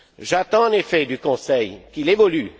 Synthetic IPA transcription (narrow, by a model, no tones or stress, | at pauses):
ʒat̪ɑ̃ɛ̃nefɛd̪ykɔ̃sɛjkilevɔly